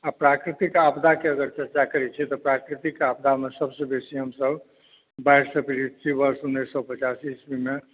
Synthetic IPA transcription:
apɾakɾit̪ikapd̪akeəɡəɾt͡ʃəɾt͡ʃakəɾɛt͡ʃʰɛt̪ɔpɾakɾit̪ikap̚d̪ʱamesəbsə̃besiɦəmsəb | bajɾsəpiɾid̪̚t͡ʃʰibəɾsundeɾsɔpət͡ʃasisbime

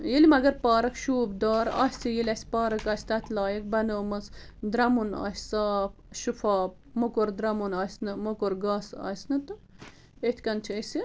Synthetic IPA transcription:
jelimɐɡɐɾpaːɾɐkʃuːbd̪aːɾɐ̰ːsʲsijelʲɐsʲpaːɾɐkɐːsʲt̪ɐt̪ʰlaːjɐk̚bɐnoːmɐsd̪ɾɐmunɐ̰ːsʲsaːp | ʃufaːp̚ | mokoɾd̪ɾɐmunɐːsʲnɨmokoɾɡɐsɐ̰ːsʲnɨt̪ɨ | et̪ʰʲkɐnt͡ʃʰiesi

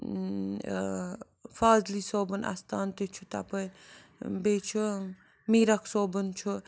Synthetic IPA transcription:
faːzlisoːbənʔa̰st̪aːnt̪et͡ʃʰut̪a̰pɐĩ | bet͡ʃʰu | miɾɐksoːbənt͡ʃʰu

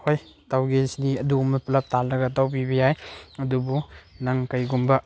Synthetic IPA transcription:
hoj | tawɡesniɐdumɐplɐp̚talɐɡatawpibejajɐdubunaŋkajɡumbɐ

